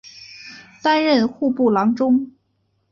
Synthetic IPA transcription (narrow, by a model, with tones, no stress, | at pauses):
t̪a˥nɻə˥˧nxu˥˧pu˥˩lɑ˧˥ŋʈ͡ʂʊ˥ŋ